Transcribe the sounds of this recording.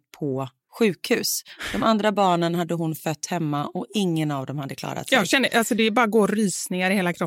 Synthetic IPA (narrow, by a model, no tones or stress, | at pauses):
pʰɔ | ɧʉ̟ːkhʉ̟ːsd̪̥ɔmand̪ɾabɑːɳənɦad̪ːəɦʊnfœt̪ːhɛmːaʔɔɪŋːənavd̪ɔmhad̪ːəklɑ̰ːɾa̰t̪jɑːɡɕɛnd̪əʔalsɔd̪ɛːbɑːɾaɡoːɾɾyːsnɪŋaɾɪheːlakʰɾɔpː